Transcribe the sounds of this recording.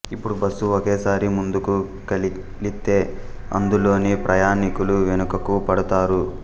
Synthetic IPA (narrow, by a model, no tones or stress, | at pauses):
ipːuɽubɐsːuokeːsaːɾimund̪uku | kɐl | lit̪ːe̞ːɐ̰nd̪ulo̞ːneːpɾʔɐjaːnikuluʋenukɐkupɐɽut̪aːɾu